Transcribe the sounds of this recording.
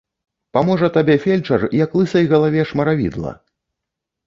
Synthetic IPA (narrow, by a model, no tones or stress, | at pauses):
pamɔʐɐt̪abʲɛfʲelʲt͡ʂɐrjaklˠɨsɐjɣɐlˠavʲɛʂmɐɾavʲḭd̪lˠɐ̰